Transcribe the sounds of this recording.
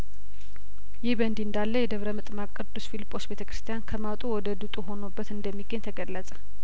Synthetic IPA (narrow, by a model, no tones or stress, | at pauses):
jɪhbənd̪iɨnd̪alːəjɛd̪əβɾəmɨt̪ʼmakʼːɨɾd̪usfilipʼːo̞sbet̪ʰəkɾɨ̥st̪ʰijankʰəmat̪ʼuwɔd̪əd̪ut̪ʼuɦo̞nobːət̪ɨnd̪əmːiɡəɲt̪ʰəɡəlːəsʼə̥